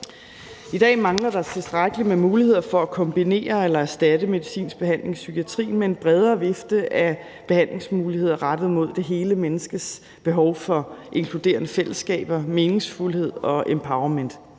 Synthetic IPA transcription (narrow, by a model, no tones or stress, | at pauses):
id̥ɛ̰ːmɑ̈ŋlɐd̥ɑ̈t͡sʰe̝sd̥ʁaɡ̥əlimemuːlihe̝ð̞̰ˠɐfɒ̽ækʰɒ̽mb̥ine̝̰ːɐelɐæɐsd̥ædəme̝ðˠisḭːnsb̥e̝ɦæn̰le̝ŋsyɡʰiæt͡sʰʁḭːnmee̝nb̥ʁɛð̞ˠɐːʋe̝fd̥əʔæ | b̥e̝hæn̰le̝ŋsmuːlihe̝ð̞̰ˠɐʁad̥əð̩ˠmo̝ð̞̰ˠd̥e̝ɦe̝ːləmenəsɡ̥əs | b̥e̝ɦɒʊfɒ̽ʔe̝ŋkʰlud̥e̝̰ːɐnəfel̰əsːɡ̥ɛ̰ːb̥ɐme̝ːne̝ŋsfulhe̝ð̞̰ˠɒ̽ʔempʰɑ̈ʊɐmen̰d̥